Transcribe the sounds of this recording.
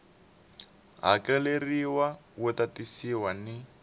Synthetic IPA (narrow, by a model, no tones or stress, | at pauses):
ɦa̰kɛleriwawʊtatisiwanɪ